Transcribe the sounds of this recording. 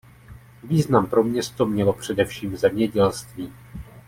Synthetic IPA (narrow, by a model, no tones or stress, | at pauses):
viːznampɾo̞mɲɛst̪o̞mɲɛlo̞pr̝̥ɛdɛfʃiːmzɛmɲɛɟɛlst̪viː